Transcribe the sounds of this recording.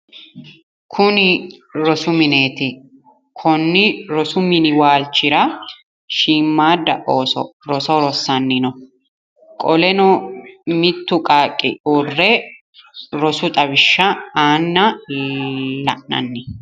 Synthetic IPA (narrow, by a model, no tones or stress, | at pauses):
kʰʊnɪɾɔsʊmɪne̞ːt̪ɪ | kʰɔnːɪɾɔsʊmɪnɪwaːlt͡ʃːɪɾɐ | ʃiːmːaːd̪ɐ̰ʔoːsɔ̰ɾɔsɔɾɔsːɐnːɪnɔ | kʼɔlɛnɔmɪt̪ːʊkʼaːkʼːɪ̰ʔʊrːɛ | ɾɔsʊt̪ʼɐbɪʃːɐaːnːɐ | lɐ̰ʔnɐ̰nːɪ